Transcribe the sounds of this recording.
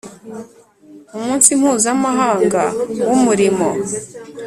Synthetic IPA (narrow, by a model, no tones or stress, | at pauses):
umuːnsim̥huːzamaɦaːŋɡa̰wumuɾimo̞